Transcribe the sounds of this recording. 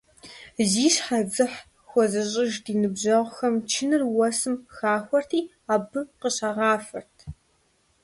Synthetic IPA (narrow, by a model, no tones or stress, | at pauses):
ziːɕħad͡zɨħ | xʷɔzɨɕʼɪʒdiːnɨbʑɐʁʷxɐmt͡ʃʰɪnɨrwɐsɨmxaːxʷɔrtʰiː | aːbɨqəɕɐʁɑːfɐrtʰ